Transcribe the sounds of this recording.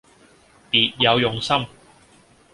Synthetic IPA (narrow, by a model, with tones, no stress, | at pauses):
piː˨t̚jɐ˨˧wjʊ˨ŋsɐ˥m